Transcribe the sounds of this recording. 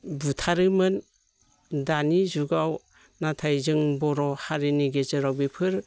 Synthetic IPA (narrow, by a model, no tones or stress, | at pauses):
butʰaɾɯmɯn | danizuɡaw | natʰajzɯŋbɔɾɔhaɾiniɡezɯɾawbipʰɯɾ